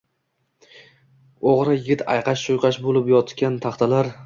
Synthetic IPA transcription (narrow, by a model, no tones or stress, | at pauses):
oʁɾajɪɡʲɪt̪ʰa̰jqɑʃʃojqʰɑʃbolɪpjɒt̪kʲant̪ʰɑχt̪ʰalaɾ